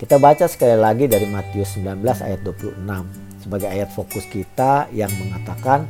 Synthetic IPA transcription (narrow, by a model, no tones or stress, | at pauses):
kit̪abat͡ʃasə̥kalilaɡidaɾimat̪iʊsːəmbilanbəlasa̰jat̪̚duapulṵhnam | səbaɡajajat̪̚fokʊskit̪ajaŋməŋat̪akan